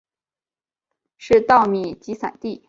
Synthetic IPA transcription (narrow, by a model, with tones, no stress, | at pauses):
ʂɻ̩˥˧t̪ɑ˥˩ʊmi˨˩t͡ɕi˧˥sa̰˨˩nt̪i˥˩